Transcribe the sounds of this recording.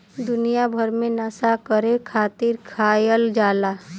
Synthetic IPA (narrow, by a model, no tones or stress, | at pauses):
d̪ʊnijabʱəɾmẽnəsakəɾekʰaːt̪iɾkʰaːjəld͡ʒaːla